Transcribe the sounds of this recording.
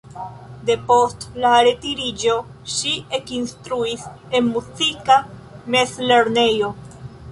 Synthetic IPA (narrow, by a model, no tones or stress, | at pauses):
de̞po̞stlaɾe̞tiɾid͡ʒo̞ | ʃie̞kinstɾuis | e̞nmuzikame̞sle̞ɾne̞jo̞